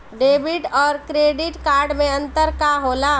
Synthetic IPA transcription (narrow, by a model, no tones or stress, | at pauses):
ɖeːbiʈɔːɾkɾeːɖɪʈkaːɾɖmẽə̃nt̪əɾkaɦoːla